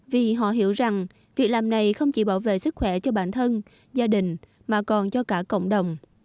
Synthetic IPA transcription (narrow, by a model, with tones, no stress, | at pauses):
vi˨˩ɦɔ̰˧˨ɦi˧˩˦əwza˨˩ŋ | vi˨˩ək̚laː˨˩mna˨˩jxə˧wŋ͡mt͡ɕi˧˩˦ɓaː˧˩wvḛ˧˨sɨ˦˥k̚xwɛ˧˩t͡ɕɔ˧ɓa̰ː˧˨nt̪ʰə˧n | zaː˧ɗï˨˩ŋ̟ | maː˨˩kɔ˨˩nt͡ɕɔ˧kaː˧˩kə̰˧˨wŋ͡mɗə˨˩wŋ͡m